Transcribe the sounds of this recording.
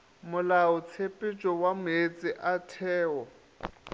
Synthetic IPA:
mʊlaʊt͡sʰepʼɪt͡ʃʼɔwamʊet͡sʼɪʔatʰɛːɔ

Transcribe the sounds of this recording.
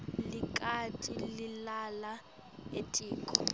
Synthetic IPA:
lɪkʼatʼilɪlala | etʼiːkʰʼɔ

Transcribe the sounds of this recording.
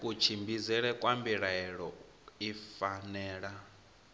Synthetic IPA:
kʼut͡ʃʰimbizɛɺɛkʼwambiɺaɛɺɔ | ifanɛːɺa

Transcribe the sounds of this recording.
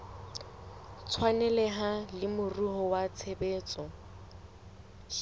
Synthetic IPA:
t͡sʰwanɛlɛɦalɪmʊruɦɔwat͡sʰebeːt͡sʼɔ

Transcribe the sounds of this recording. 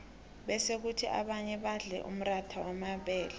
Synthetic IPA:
ɓɛsek̬utʰiʔa̰ɓaɲɛɓaɮɛ̰ʔṵm̩ratʰawamaɓɛːlɛ

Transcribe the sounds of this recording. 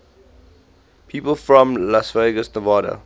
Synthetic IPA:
pʰiːpəlˠfɹɔ̃mlasveɪɡəsnəvɑːɾə̰

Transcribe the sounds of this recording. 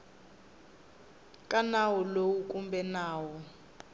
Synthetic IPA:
kʼanawɔlowukʼumbɛnaːwɔ

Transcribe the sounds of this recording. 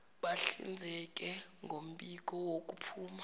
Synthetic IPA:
ɓaɬḭnd͡zʱɛk̬ʼɛŋɡʱom̩ɓik̬ɔwok̬ʼupʰuːma

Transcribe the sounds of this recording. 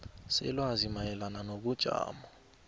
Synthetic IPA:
sɛ̰lwazimajɛlananoɓud̥ʒ̥ʱa̰ːmɔ

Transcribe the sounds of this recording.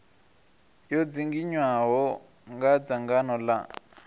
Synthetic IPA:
jɔd͡ziŋɡiɲwaɦɔ | ŋɡad͡zaŋɡanɔla̰

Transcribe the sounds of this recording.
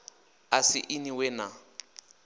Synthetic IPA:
asɪʔiniwɛna

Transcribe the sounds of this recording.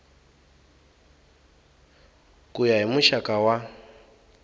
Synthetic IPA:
kʼujaɦimuʃakʼawa

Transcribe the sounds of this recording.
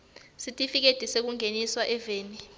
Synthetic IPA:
sitʼifik̬ed̥ʱisek̬uŋʱeniswaʔɛveːni

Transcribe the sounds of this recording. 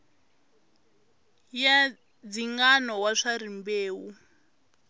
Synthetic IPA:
ja | d͡ziŋɡanɔwaʂaɾimbeːwu

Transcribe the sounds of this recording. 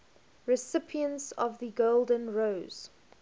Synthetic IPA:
ɹɪsɪpʰiə̃ntsɔvðəɡoʊlˠdə̃nɹoʊz̥

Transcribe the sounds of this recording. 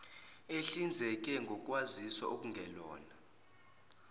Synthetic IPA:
eɬind͡zʱɛk̬ʼɛŋɡʱɔkʼwazisa̰ok̬ʼuŋɡʱɛlɔ̰ːna

